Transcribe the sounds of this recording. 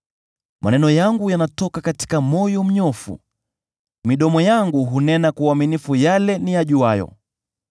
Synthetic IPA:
mʔa̰nɛnɔjaŋɡujanatɔkakati̥kamɔjɔm̩ɲɔfṵ | miɗɔmɔjaŋɡuɦunɛnakuaminifujalɛnijaʄuajɔ̰

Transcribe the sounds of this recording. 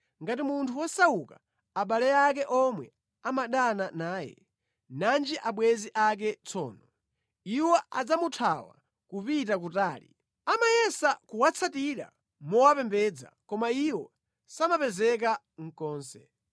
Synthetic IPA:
ŋɡatimuntʰuwɔsauka̰ | aɓalɛakɛʔɔmwɛ̰ | amaɗananaːjɛ̰ | nand͡ʒiʔaɓwɛziʔak̬ɛt͡sʰɔ̰ːnɔ | iwɔad͡zamutʰawa̰ | kupitakutaːlḭ | amajɛsakuwat͡sʰatiɾa̰ | mɔwapɛmbɛːd͡za̰kɔmaiwɔ | samapɛzɛk̬a | ŋ̩kɔːnsɛ

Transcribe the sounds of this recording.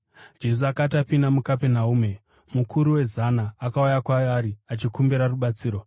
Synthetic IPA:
d͡ʒe̞s̬uakatapinamukapenauːme̞ | mukʰuɾuwe̞zanaːkaujakwajaɾiat͡ʃikumbiɾaruɓat͡siːɾo̞

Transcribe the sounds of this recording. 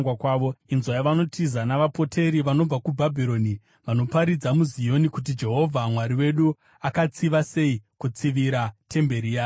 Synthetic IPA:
wakwaːʋo̞inzwajaʋano̞tʰizanaʋapo̞tʰe̞ɾiʋano̞b͡vakubʱabʱiɾo̞ːni | ʋano̞paɾid͡zamuzijo̞nikut̬id͡ʒe̞ɦo̞vʱamwaɾiwe̞ɗu | akat͡siʋase̞ikut͡siʋiɾatʰe̞mbe̞ɾijaː

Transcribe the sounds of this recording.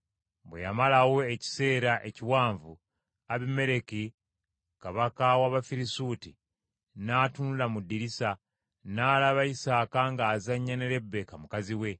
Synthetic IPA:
βwḛja̰malawo̞eci̥se̞ːɾaʔeciwaːɱvṵ | aβime̞ɾe̞ki | kaβakawaβafiɾisuːti | naːtunulamudːiɾisa | naːlaβaisaːkaŋɡaːzaɲːaneɾe̞bːekamukaziwe̞

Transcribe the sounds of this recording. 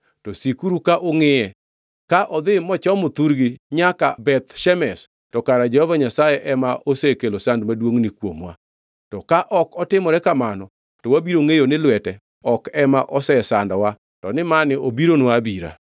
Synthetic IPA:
tɔsikuɾukaʔoŋɪjɛ | kaʔɔd̪ɪmɔt͡ʃɔmʊt̪uɾɡɪɲakabɛt̪ʃɛmɛs | tɔkaɾad͡ʒɛhɔvaɲasajɛʔɛmaʔosekelosandmadwoŋnikwomwa̰ | tɔkaʔɔkɔtɪmɔɾɛkamanɔ | tɔwabiɾoŋejonɪlwɛtɛ | ɔkɛmaʔɔsɛsandɔwa | tɔnɪmanɪobiɾonwabiɾa̰

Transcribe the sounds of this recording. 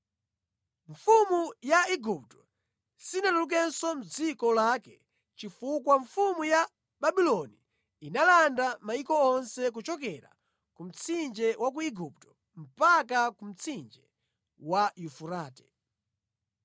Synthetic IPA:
ɱfumujaiɡup̚tɔ | sinaluluk̬ɛnsɔm̩d͡zikɔlakɛ | t͡ʃifukwaɱfumuja | baɓilɔni | inalandamaikɔɔnsɛk̬ut͡ʃɔk̬ɛɾa̰ | kum̩t͡sʰind͡ʒɛwʔak̬uiɡup̚tɔ̥ | m̩pak̬akum̩t͡sʰind͡ʒɛ | wajufuɾaːtɛ̥

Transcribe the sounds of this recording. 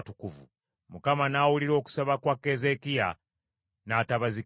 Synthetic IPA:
tukuvṵ | mukamanaːwuliɾo̞ːku̥saβakwakːe̞ze̞kija̰ | naːtaβazi

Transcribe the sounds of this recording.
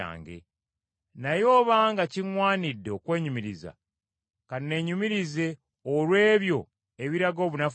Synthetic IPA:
a̰ːŋɡe̞̰ | najo̞ːβaŋɡaciŋwaːnidːe̞o̞kwe̞ːɲumiɾiza̰ | kanne̞ɲumiɾize̞ | olwe̞ːβjo̞ | e̞βiɾaɡo̞ːβunaf

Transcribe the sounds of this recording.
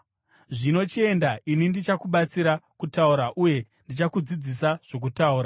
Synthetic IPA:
ʐino̞t͡ʃie̞ndainindit͡ʃakuɓat͡siɾakutauɾaʔuje̞ | ndit͡ʃakud͡zid͡zisaʐ̥o̞k̬utauːɾa

